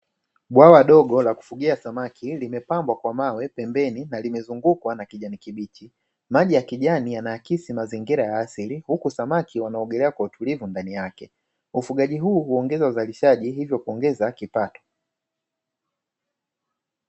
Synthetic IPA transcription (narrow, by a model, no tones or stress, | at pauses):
ɓwawaɗɔɠɔlaku̥fuɠiasamakʰilimɛpambwakwamawɛpɛmbɛninalimɛzuŋɡukwanakiʄanikiɓit͡ʃi | maʄijakiʄanijanajakisimaziŋɡiɾajaasilihukusamakʰiwanaɔɡɛlɛakwautulivundanijakɛ | ufuɠaʄiɦuːhuɔŋɡɛzauzaliʃaʄiɦivjɔkuɔŋɡɛzakipatɔ̥